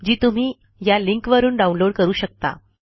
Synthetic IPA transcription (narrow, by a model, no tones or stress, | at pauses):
d͡ʑiːt̪um̤iː | jaliŋkʋəɾuːnɖaunloɽkəɾuːɕək̚t̪a̰